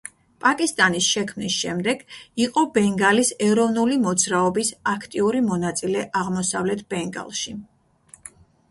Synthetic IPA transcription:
pʼakʼist̪ʼanisʃɛkʰmnisʃɛmd̪ɛɡ̥iqʼɔbɛŋɡalisɛɾɔvnulimɔd̪zɾaɔbisakʰt̪ʼiuɾimɔnat̪sʼilɛʔaʁmɔsavlɛt̪ʰb̥ɛŋɡa̰lˠʃi

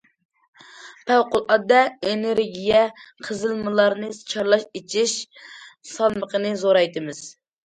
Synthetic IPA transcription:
pʰæwqʊlˠʔɑd̪ɛeneɾɡʲijɛqʰəzɨlˠmɨlˠɑɾnɨt͡ʃʰɑɾlˠɑʃet͡ʃʰiʃ | sɑlˠməqənɨzoɾɑjt̪ɨmɪz̥

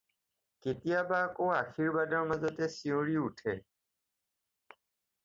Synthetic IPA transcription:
ketijabakoaxiɹbadɔɹmazɔtɛsiʊ̃ɹiutʰɛ

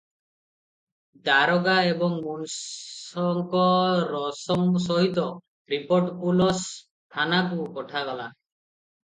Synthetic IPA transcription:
d̪aɾɔɡaebɔŋmunsɔŋkɔɾɔsɔŋs̬ɔɦit̪ɔ | ɾipoɾʈkulɔs | tʰanakukɔʈʰaɡala

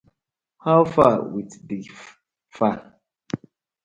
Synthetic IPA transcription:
hawfawitdif | fa

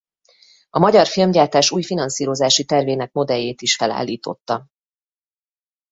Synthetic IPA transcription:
ɒmɒɟɒrfilmɟaːrt̪aːʃuːjfinɒnsiːɾo̞zaːʃit̪ɛrveːnɛk̚mo̞d̪ɛjːeːt̪iʃfɛla̰ːlːiːt̪o̞̰t̪ːɒ

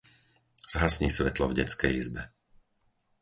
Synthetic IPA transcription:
z̥ɦasɲiːsʋɛt̪lɔvɟɛt͡skɛjizbɛ

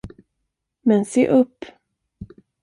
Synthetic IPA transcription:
mɛnseːʔɵpː

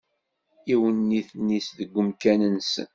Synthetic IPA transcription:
iwənːiθnːisðəɡʷːəmkænənsə̰n

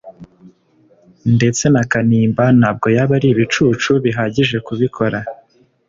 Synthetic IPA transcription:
nde̞t͡se̞nakaniːmbanhaːb̚ɡo̞jaβaɾiβit͡ʃut͡ʃuβiɦaːɟiʒe̞kuβikʰo̞ɾa

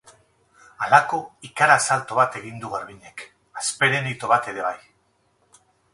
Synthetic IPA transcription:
alako̞ikaɾasalt̪oβ̞at̪e̞ɣind̪uɣaɾβiɲe̞k | aspe̞ɾe̞nit̪o̞β̞at̪e̞ɾe̞βaj

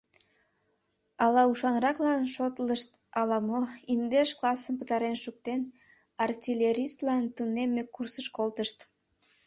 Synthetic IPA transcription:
ɑlɑuʃɑnrɑklɑnʃot̪ləʃt̪ | ɑlɑmoind̪eʃklɑsəmpət̪ɑɾenʃuk̚t̪en | ɑrtʲilʲeɾʲist̪lɑnt̪unemːekursəʃkolt̪əʃt̪

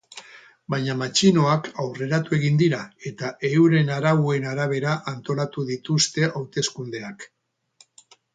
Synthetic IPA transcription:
baɲamat͡ʃino̞akawre̞ɾat̪ue̞ɣind̪iɾae̞t̪aʔe̞uɾe̞naɾaue̞naɾaβ̞e̞ɾaʔant̪o̞lat̪uðit̪ust̪e̞ʔawt̪e̞skund̪e̞ak

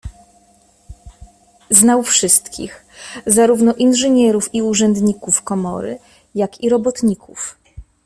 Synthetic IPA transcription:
znawfʂɘst̪kʲḭx | zaɾuvnɔʔinʐɘɲɛɾufiuʐɛnd̪ɲikufkɔmɔ̰ɾɘ̰ | jakiɾɔbɔt̪ɲikʰuf

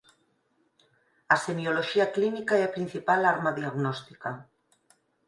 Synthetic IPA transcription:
asemioloʃiaklinikaɛapɾin̟θipalaɾmaðiaɣnɔst̪ika

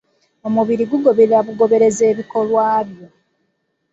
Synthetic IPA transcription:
omuβiɾiɡuɡo̞βeɾaβuɡo̞βe̞ɾe̞ze̞ːβiko̞lwaːβjo̞

